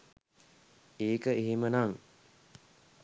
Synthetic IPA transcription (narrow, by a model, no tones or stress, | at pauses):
eːkəeɦemənaŋ